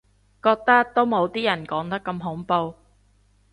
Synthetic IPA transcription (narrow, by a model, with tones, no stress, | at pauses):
kɔː˧k̚t̪ɐ˥k̚t̪o˥wmo˨˧wt̪iː˥jɐ˨˩nkɔː˨˥ŋt̪ɐ˥kːɐ˧mɦʊ˨˥ŋpo˧w